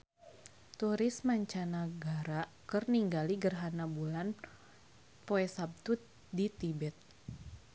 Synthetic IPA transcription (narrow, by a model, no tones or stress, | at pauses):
t̪uɾɪsmaɲt͡ʃanaɡaɾa | kɨrniŋɡaliɡərɦanabulan | poɛsab̚t̪u | dit̪ibɛt̪̚